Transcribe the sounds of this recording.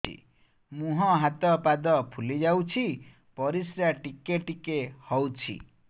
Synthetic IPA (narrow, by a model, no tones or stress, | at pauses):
ḭ | mũɦɔ̃ɦat̪ɔpad̪ɔpʰulid͡ʒawt͡ʃʰi | pɔɾisɾaʈikeʈikehɔwt͡ʃʰḭ